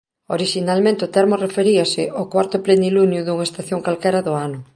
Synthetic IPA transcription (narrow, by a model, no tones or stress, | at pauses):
oɾiʃinalmẽnt̪eʊt̪ɛɾmʊrefeɾiɐsɪʔokwaɾt̪ʊplend̪ilunjʊðuŋaest̪aθjoŋkalkɛɾɐðʊanʊ